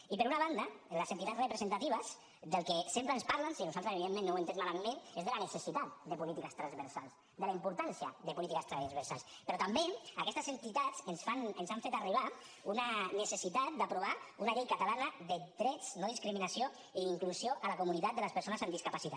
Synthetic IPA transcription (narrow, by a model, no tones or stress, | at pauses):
ipəɾunaβ̞and̪aləzent̪it̪at͡srəpɾəzent̪at̪iβ̞əs | d̪əlˠkesempɾəːnspaɾlansinuzalˠt̪ɾəseβiðemːẽnːowent̪emmalamenezðelanəsesit̪at̪̚d̪əpulit̪ikəst̪ɾanzβəɾsalˠs | d̪əlaimpuɾt̪ansiɐ̰ðəpulit̪ikəst̪ɾazβəɾsa̰lˠspəɾɔt̪ambeakɛst̪əzent̪it̪at͡sənsfanənsaɱfet̪ariβ̞aunanəsesit̪at̪̚d̪apɾuβ̞aunaʎejkat̪alanaðəd̪ɾɛd͡znoð̞iskɾiminasio | iiŋkluzioʔalakumunit̪at̪̚d̪ələspəɾsonəzamd̪iskapasit̪a